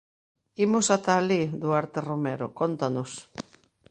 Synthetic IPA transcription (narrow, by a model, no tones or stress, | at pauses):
imʊsat̪alid̪ʊaɾt̪eromeɾo̰kont̪anʊs